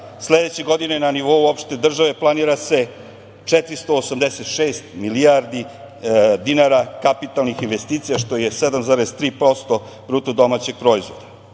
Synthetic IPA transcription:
sled̪et͡ɕeɡo̞d̪ine̞naniʋo̞uopʃt̪ed̪r̩ʒaʋe̞plˠaniːɾase̞ | t͡ʂet̪ɾist̪o̞ːsamd̪ese̞t̪ʃeːst̪miliaɾd̪i | d̪inaɾakapit̪alnixinʋe̞st̪iːt̪sijaʃt̪o̞je̞sed̪amzaːɾezt̪ɾiːpɾo̞st̪o̞ | bɾuːt̪od̪o̞mat͡ɕe̞ɡ̥̚pɾo̞izʋo̞d̪a

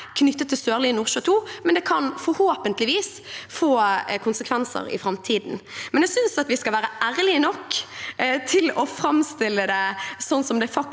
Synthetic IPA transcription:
kʰnʏt̪ːət̪ʰːɪlsøːʁliːnuːʁʃøːt̪ʰuːmɛnd̪ɛkʰɑnfɔɾhoːpənt̪lɪʋiːs | foːkʰʊnsəkʰʋɛnsə̰ɾɪ̰fɾɑmt̪ʰiːd̪nmɛnjæɡsʏnsɑt̪ʋɪskɑlʋæːɾəʔæːɾəlɪənɔkː | t̪ʰɪlɔfɾɑmst̪ɪlːəd̪ɛsɔnsɔmd̪ɛfɑk̚

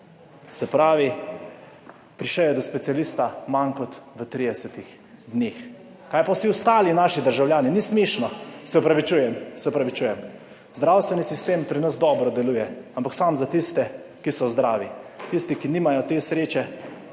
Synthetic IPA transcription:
sɛpɾaːʋi | pɾiʃɛjɛd̪ɔspɛt̪sijalist̪amankɔt̪ʋət̪ɾiːd̪ɛsɛt̪ix | d̪neːx | kaːjpawsiʊst̪aːlinaːʃid̪əɾʒawljaːninismeːʃnɔsɛɔpɾaʋit͡ʃuːjɛmsɛupɾaʋit͡ʃuːjɛm | zd̪ɾawst̪ʋɛnisist̪eːmpɾinəzd̪ɔːbɾɔd̪ɛlujɛampaksamzat̪ist̪ɛkisɔzd̪ɾaːʋit̪ist̪ikiniːmajɔt̪eːsɾeːt͡ʃɛ

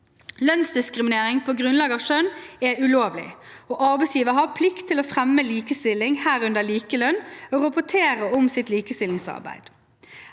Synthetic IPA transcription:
lœnsd̪ɪskʁɪmɪneːʁɪŋpʰɔːɡʁʉnlɑːɡɑːʋʃœnɛʉloːʋlɪ̰oːʔɑɾbɛsjiːʋəɦɑpʰlɪkt̪ʰːɪlɔfʁɛmːəliːkəst̪ɪlːɪŋhæːɾʉnd̪əliːkəlœnːoːʁɑpʊt̪ʰeːʁəʊmsɪt̪liːkəst̪ɪlɪŋsɑ̰ɾbæ̰ɪd̪̥

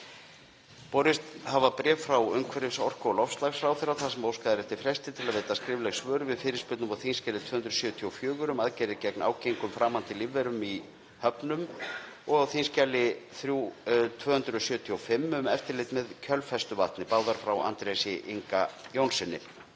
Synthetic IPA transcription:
pɔɾɪst̪havapɾɛːffɾawʏŋkʰɛɾɪsɔr̥kɔlɔfst̪laɣsfɾawθɪɾːaθasɛmowskaðɪɾɛft̪ɪfɾɛst̪ɪ̥t̪ʰɪlaðveːjt̪askɾɪːvlɛɣxsvœːɾʏvɪðfɪːɾɪɾ̥spʏt̪nʏmawθinscɛlɪt̪ʰvœːhʏnd̪ɾsjœːt̪ʰiɔfjœːɣʏɾʏmaðcɛːɾɪcɛkna̰ːwcejŋkʏmfɾaːmːant̪ɪlivːɛɾʏmi | hœpnʏmɔɣawθinscalːɪθɾjut̪ʰvœːhʏnt̪ɾʏɔsjʏːt̪ʰiɔwfɪmːʏmɛft̪ɪɾlɪjt̪mɛðcʰœlfɛst̪ʏvaht̪nɪpaːwðaɾ̥fɾawa̰nt̪ɾesɪʔiŋkajownsɛnːɪ̰

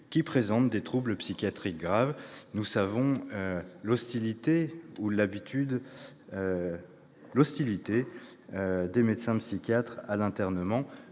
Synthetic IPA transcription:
kʲipχezɑ̃t̪̚d̪et̪χubləpsikʲjat̪χik̚ɡʁavnusavɔ̃ | lɔst̪ilit̪eulabit̪yd̪ | lɔst̪ilit̪e | ød̪emed̪sɛ̃psikʲjat̪χalɛ̃t̪ɛʁnəmɑ̃

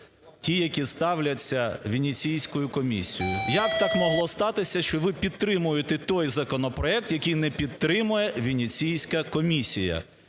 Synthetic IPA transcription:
tʲijɐkʲist̪ɑwlʲɐt͡sʲːɐʋʲinʲit͡sʲijsʲkʊjʊkɔmʲisʲijʊjɐkt̪ɑkmɔɦlˠɔst̪ɑt̪ɪsʲɐʃt͡ʃɔʋɪpʲid̪̚t̪ɾɪmʊjʊt̪ɛt̪ɔjzɐkɔnɔpɾɔɛk̚t̪jɐkʲijnɛpʲid̪t̪ɾɪmʊjɛʋʲinʲit͡sʲijsʲkɐkɔmʲisʲijɐ̰

